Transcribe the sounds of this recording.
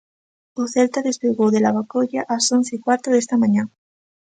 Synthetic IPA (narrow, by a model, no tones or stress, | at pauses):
oθelt̪aðespeɣowðelaβakoʎaʔasonθeikwaɾt̪oðest̪amãɲã